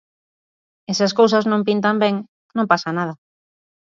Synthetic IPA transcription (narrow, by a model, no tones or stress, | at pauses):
esaskows̬aznõmpint̪ambeŋ | nõmpasanað̞ɐ